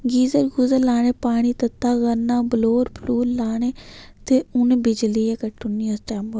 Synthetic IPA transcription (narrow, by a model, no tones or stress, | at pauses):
ɡiːzəɾɡuzəlaːɽ̃eːpaːɽ̃iːt̪ət̪ːaːɣənaːbəloːɾpʰluːɾlaːɳ̃eː | t̪eːʊnebɪd͡ʒliːeːkəʈːʊniːosʈɛːmbə